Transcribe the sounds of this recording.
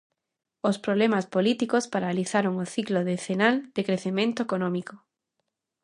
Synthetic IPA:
ospɾoβlemaspolit̪ikospaɾaliθaɾoŋoθikloðeθenald̪̥ekɾeθemẽnt̪oekonɔ̃miko

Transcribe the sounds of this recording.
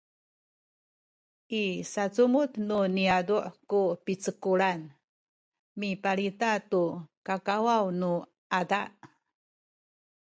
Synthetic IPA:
ʔisat͡sumut̪nuniaduʔkupit͡səkuɭan | mipaɭitatukakawawnu | ʔadaʔ

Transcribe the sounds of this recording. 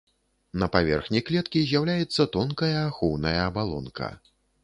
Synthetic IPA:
nɐpavʲɛ̰rxnʲiklʲɛt̪kʲizʲjawlʲajɛt̪sːɐt̪ɔnkɐjɐːxɔwnɐjɐːbalˠɔ̰nkʰɐ̰

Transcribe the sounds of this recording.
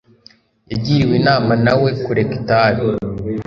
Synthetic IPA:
iɟiɾiwinaːmanawe̞kuɾeki̥taːɾi

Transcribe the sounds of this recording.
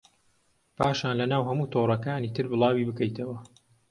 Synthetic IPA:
pʰaːʃaːnlɐnaːwɦɐmuːt̪ʰoːrˤɐkaːniːt̪ʰɨɾbɨlˠɑːwibɨkɐjt̪ʰɐwɐ

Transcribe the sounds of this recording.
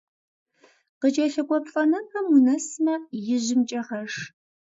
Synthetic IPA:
qət͡ʃʼɐɬɐɡʷʼɔpɬʼɐnɐpʰɐmunɐsmɐjɪʑɪmt͡ʃʼɐʁɐʂ

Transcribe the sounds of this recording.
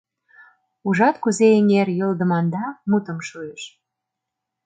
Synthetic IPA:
uʒɑt̪kuzeeŋerjɤ̆ld̪ə̆mɑnd̪ɑmut̪ə̆mʃueʃ

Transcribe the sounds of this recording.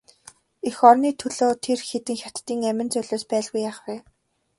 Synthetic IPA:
exɔrniːt̪ʰɵɮoːt̪ʰerxet̪ɘ̆ŋxʲat̪ːiːŋæmʲɪ̆nt͡sœɮoːspæːɮɣujːaːχweː

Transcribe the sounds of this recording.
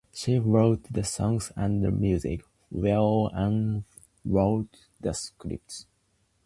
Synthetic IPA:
ʃiɹoʊtðəsɔ̃ŋsə̃nðəmjʉzɪ̰k | wɛlə̃n | ɹoʊt̪ | ðəskʰɹɪ̰p̚ts

